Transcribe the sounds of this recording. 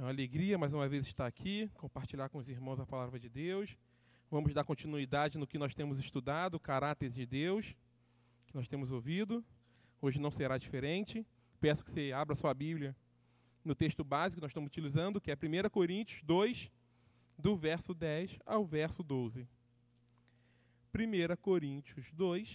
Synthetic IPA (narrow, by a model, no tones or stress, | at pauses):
aleɡɾiɐmajzũmɐvezɪʃt̪aːkʰikõpaɾt͡ʃiʎaɾkõʊziɾmɐ̃w̃zɐpalavɾɐd͡ʒɪd̪ews | vɐ̃mʊzd̪aɾkõnt͡ʃinuid̪ad͡ʒɪnʊkɪnɔsʃt̪ẽmʊzɪʃt̪ud̪ad̪ʊkaɾat̪eɾd͡ʒɪd̪ews | kɪnɔsʃt̪ẽmʊzowvid̪ʊ | oʒɪnɐ̃w̃seɾad͡ʒifeɾẽnt͡ʃɪ | pɛ̃sʊ̥kɪ̥seabɾɐsoɐbiblʲiɐ | nʊt̪eʃt̪ʊbazikɪnɔsʃt̪ɐ̃mʊzʊt͡ʃilizɐ̃nd̪ʊkɪɛpɾimejɾɐkoɾĩnt͡ʃiʊzd̪ojs | d̪ʊvɛɾsʊd̪ɛsa̰wvɛɾsʊd̪ozɪ | pɾimejɾɐkoɾĩnt͡ʃiʊzd̪ojs